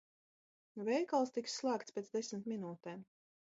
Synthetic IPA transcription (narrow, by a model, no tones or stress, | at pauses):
vɛjkalˠst̪iksːlˠaːkt̪spʲet̪d̪zd̪esmʲt̪minuːt̪ɛːm